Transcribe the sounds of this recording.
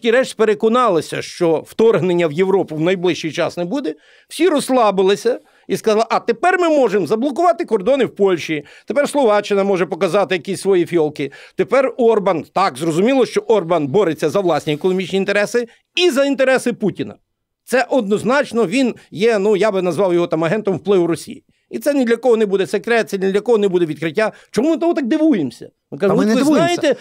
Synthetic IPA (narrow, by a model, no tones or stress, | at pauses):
tʲiɾɛt͡ʃsʲpeɾekɔnɑlˠɪsʲɐ̰ʃt͡ʃɔwt̪ɔrɦnenʲːɐwjeʋɾɔpʊwnɐjblˠɪʃt͡ʃijt͡ʃɑsnɛbud̪ɛ | w̥sʲiɾɔslˠɑbɪlˠɪsʲɐ | iskɐzɑlˠɐʔɐt̪epɛrmɪmɔʒemzɐblˠɔk̬ʊʋɑt̪ɪkɔrd̪ɔnɪwpɔlʲʃit̪epɛrslˠɔʋɑt͡ʃɪnɐmɔʒɛpɔkɐzɑt̪ɪjɐkʲisʲsʋɔjifʲjɔlˠkɪt̪epɛrɔrbɐnt̪ɑkzrɔzʊmʲilˠɔʃt͡ʃɔʔɔrbɐnbɔɾet͡sʲːɐzɐʋlˠɑsʲnʲiekɔnɔmʲit͡ʃnʲint̪eɾɛsɪ | izɐint̪eɾɛsɪputʲinɐ̰ | t̪sɛʔɔd̪̚nɔznɑt͡ʃnɔʋʲinjɛnujabɪnɐzʋɑwjɔɦɔt̪ɑmɐɦɛnt̪ɔmwplˠɪʋʊɾɔsʲḭji | it̪sɛnd̪lʲɐkɔɦɔnɛbud̪ɛsekɾɛt̪t̪sɛd̪lʲɐkɔɦɔnɛbud̪ɛʋʲid̪̚kɾɪtʲːa | t͡ʃɔmmɪt̪ɔɦɔt̪ɑk̚d̪ɪʋujemsʲɐ̥̰ | ʋɪkaʒɔʋɪznajɪt̪ɛ